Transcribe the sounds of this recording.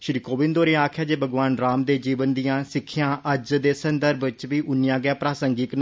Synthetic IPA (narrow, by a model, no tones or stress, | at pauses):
ʃɾiːkoːʋɪ̃nd̪oːɾẽːaːkʰjaːd͡ʒeːbəɡʋaːnɾaːmd̪eːd͡ʒiːʋənd̪ijãːsɪkʰːɪjãːʔəd͡ʒd̪eːsənd̪əɾbt͡ʃʋiːʔʊnɪjãːɡjaːpɾaːsəŋɡɪkn